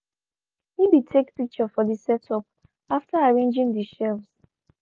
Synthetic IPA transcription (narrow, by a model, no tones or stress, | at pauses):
hibitʰekpik̚t͡ʃəfɔðisɛtʰɔp | aftaaɹẽnd͡ʒĩŋdiʃɛvs